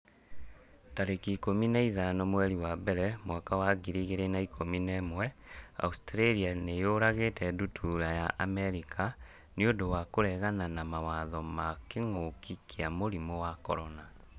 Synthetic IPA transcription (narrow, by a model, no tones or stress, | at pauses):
taɾekikominaiðanɔmwɛɾiwabɛɾɛmwakawaɡiɾiɣeɾenaikʰominɛmwɛa̰ustɾeɾianejoɾaɣetɛdutʰuɾajaʔamɛɾikʰa | neodowakoɾɛɣananamawaðɔmakeŋokikʰeamoɾimɔwakɔɾɔna